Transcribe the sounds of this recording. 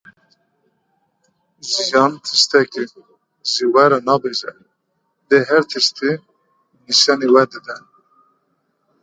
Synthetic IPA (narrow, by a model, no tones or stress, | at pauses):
zijɑnt̪ʰɨst̪ɛki | ziwɛɾɑnɑːbeʒɛ | d̪eɦɛɾt̪ʰɨst̪i | niʃjɑniwɛɾd̪ɨd̪ɛn